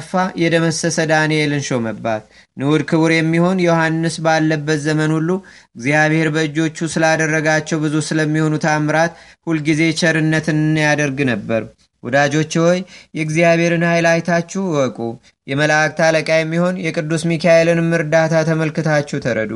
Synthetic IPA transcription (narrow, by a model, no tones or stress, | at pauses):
fːajɛd̪əməsəsəd̪anelɨnʃoməbːa̰t̪ | nɨwud̪kʰɨβɨɾjɛmːiho̞njɛohanːɨsbalːəbːət̪zəmənhulːu | ɨɡzijaβhe̞ɾbəɨd͡ʒo̞t͡ʃːusɨlad̪ərːəɡat͡ʃːɛwbɨzusɨləmːiho̞nut̪ʰamɾat̪hulɡize̞t͡ʃʰʼɛɾɨnːət̪ʰɨnːjad̪əɾɡnəbːəɾ | wɔd̪ad͡ʒo̞t͡ʃːwojːɛɡzijaβhe̞ɾɨnhajlajt̪ʰat͡ʃːɛwɔkʼu | jɛməlak̚t̪ʰaləkʼajɛmːiho̞njɛkʼɨd̪ːusmikʰaʔelɨnmːɨɾd̪at̪ʰat̪ʰəməlkɨt̪ʰat͡ʃːɛwt̪ʰəɾə̰d̪u